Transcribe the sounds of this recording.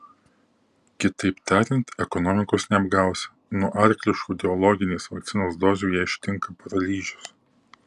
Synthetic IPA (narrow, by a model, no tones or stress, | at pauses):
kʲɪt̪ɐɪpt̪ɑːɾʲɪnt̪ɛkɔnɔmʲɪkoːsnʲɛɐbɡɑˑʊsʲ | nuɔʔɐɾʲklʲɪʃkuːd̪ʲɛɔlˠɔɡʲɪnʲeːsʋɐkt̪sʲɪnoːsd̪oːzʲuːjɛːɪʃʲt̪ʲɪŋkɐpɐɾɐlʲiːʒʲʊs